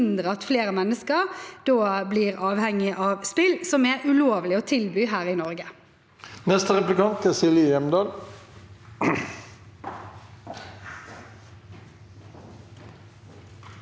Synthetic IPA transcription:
nd̪ʁəɑt̪fleːʁəmɛnːəskəʁd̪̥oːbliːʁɑːʋhɛŋːɪʔɑːʋspɪlsɔmɛʔʉloːʋlɪɔt̪ʰɪlbyːɦæːʁɪnɔʁɡə | nɛst̪əʁɛplɪkɑnt̪ʰɪsɪlɪjɛmd̪ɑːl

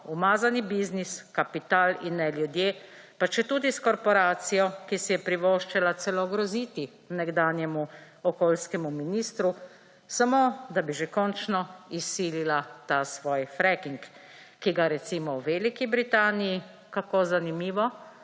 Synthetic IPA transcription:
umaːzanibizniskapit̪aːlinːɛljud̪jeː | pat͡ʃɛt̪uːd̪iskɔɾpɔɾaːt̪sijɔkisɛjɛpɾiʋoːʃt͡ʃɛlasɛlɔɡɾɔziːt̪i | nɛɡd̪aːnjɛmu | ɔkoːlskɛmuminist̪ɾu | samoːd̪abiʒekɔnt͡ʃnɔisːililat̪asʋɔːjfɾɛkiŋkː | iɡaɾɛt̪simɔwʋeːlikibɾit̪aːniji | kakozanimiːʋɔ

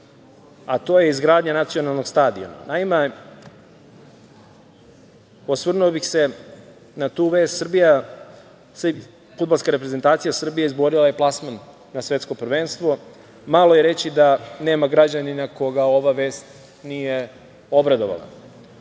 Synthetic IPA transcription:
at̪o̞jeizɡɾaːd̪ɲanat̪sio̞nalˠno̞ɡst̪aːd̪io̰ma̰naime | osʋr̩nuobixse̞ | nat̪uːʋe̞ːst̪sr̩bija | fud̪balˠskaɾe̞pɾezent̪aːt̪sijasr̩bijeizboɾilaje̞plˠasmanː | asʋe̞t̪sko̞pr̩ʋeːnst̪ʋo̞ | malo̞je̞ɾe̞t͡ɕid̪ane̞ːmaɡɾad͡ʑaninakoɡao̞ʋaʋe̞ːst̪ | nije | o̞bɾad̪o̞ʋa̰lˠa̰

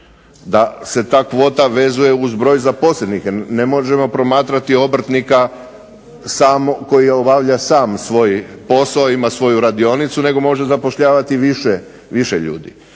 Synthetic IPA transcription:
d̪ase̞t̪aːkʋo̞ːt̪aʋe̞zuje̞uzbɾo̞ːjzapo̞slʲed̪nixnemoʒe̞mo̞pɾo̞maːt̪ɾat̪io̞br̩t̪nika | saːmoko̞jiobaʋʎasaːmsʋo̞jpo̞saoimasʋo̞juɾad̪io̞nit̪sune̞ɡo̞mo̞ʒezapo̞ʃʎaːʋat̪iʋiʃe | ʋiʃeʎṵːd̪ḭ

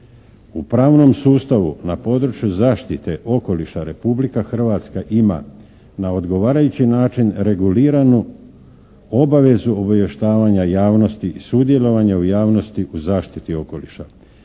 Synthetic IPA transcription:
upɾaːʋno̞msuːst̪aʋunapo̞ːd̪ɾut͡ʃjuzaːʃt̪it̪e̞ʔo̞ko̞liʃaɾe̞publikaxr̩ʋat̪skaʔima̰ | nao̞d̪ɡo̞ʋaːɾajut͡ɕinaːt͡ʃinɾe̞ɡuliːɾanu | o̞baʋe̞zuobaʋjeʃt̪aːʋaɲajaːʋno̞st̪iisud̪je̞lo̞ʋaɲaujaːʋno̞st̪iʔuzaːʃt̪it̪io̞ko̞liʃa

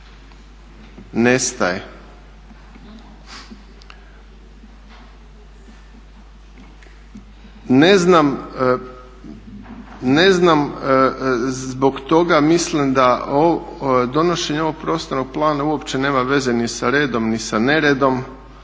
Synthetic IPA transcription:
ne̞st̪a̰je | ne̞znam | ne̞znam | bo̞ɡt̪o̞ɡamislimd̪aod̪o̞no̞ʃe̞ɲeo̞ʋo̞ɡ̚pɾo̞ːst̪ano̞ɡ̚plˠaːnauo̞pt͡ɕe̞ne̞ːmaʋe̞ze̞nisaɾe̞ːd̪o̞mnisane̞ɾed̪o̞m

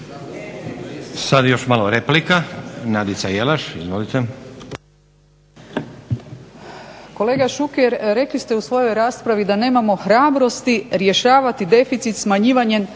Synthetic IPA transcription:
sad̪jo̞ʃmaloɾeplikanad̪it̪sajelaʃizʋo̞lit̪e | ko̞le̞ːɡaʃukeɾɾe̞klist̪e̞usʋo̞jo̞jɾaːspɾaʋid̪ane̞ːmamo̞xɾaːbɾo̞st̪iɾje̞ʃaːʋat̪id̪e̞fit̪sit̪smaɲiːʋaɲen

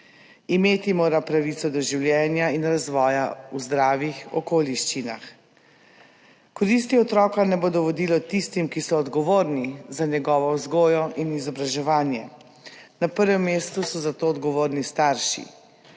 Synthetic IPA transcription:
imeːt̪imoːɾapɾaʋit̪sɔd̪ɔʒiwljɛːnjainɾazʋɔːjauzd̪ɾaːʋixɔ̰koːliʃt͡ʃina̰x | kɔɾis̬t̪iɔt̪ɾɔːkanɛboːd̪ɔʋɔd̪ilɔt̪ist̪imkisɔːd̪ɡɔʋoːɾnizaɲɛɡɔːʋɔwzɡoːjɔʔinizɔbɾaʒɛʋaːnjɛ̰ | napəɾʋɛmːeːst̪usɔzat̪oːd̪ɡɔʋoːɾnist̪aɾʃḭ

